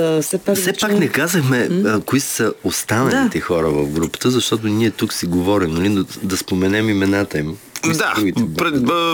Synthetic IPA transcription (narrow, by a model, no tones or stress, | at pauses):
sɛasɛpaknɛkazəxmɛkoissəost̪anəlit̪ɛxɔɾəvɐfɡɾupə̥t̪əzɐʃt̪ɔt̪oniɛt̪uksiɡovɔɾimd̪ɐlid̪ɐspomɛnɛmimɛnat̪əimd̪aɾuɡʲit̪ɛpɾɛ